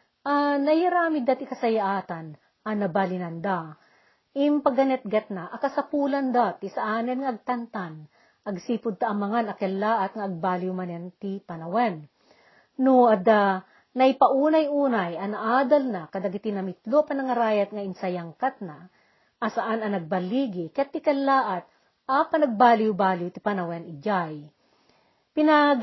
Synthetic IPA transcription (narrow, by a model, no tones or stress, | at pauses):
ʔanɐjɐɾaːmɪd̪at̪ɪkɐsɐjaʔaːt̪ɐn | ʔɐnɐbalɪnɐnd̪a | ɪmpɐɡɐnɛt̪̚ɡɐt̪̚naʔɐkɐsɐpuːlɐnd̪at̪isɐʔaːnɛnŋaɐɡ̚t̪ɐnt̪an | ʔɐɡsiːpʊd̪̚t̪aʔɐmɐŋanɐkɛlːaʔɐt̪ŋɐɐɡ̚baːliʊmɐnɛnt̪ipɐnɐwɛn | nuɐd̪a | nɐjpɐʔuːnɐjʔuːnɐjɐnɐʔaːd̪ɐlnakɐd̪ɐɡit̪ɪnɐmɪt̪lopɐnɐŋɐɾaːjɐt̪̚ŋɐʔɪnsɐjaŋkat̪̚na | ʔːsɐʔanɐnɐɡ̚bɐliɡɪkat̪ːɪkɛlːaːʔɐt̪̚ | ʔapɐnɐɡ̚baːlɪwbaːljut̪ɪpɐnɐwɛnɪd͡ʒaj | pɪna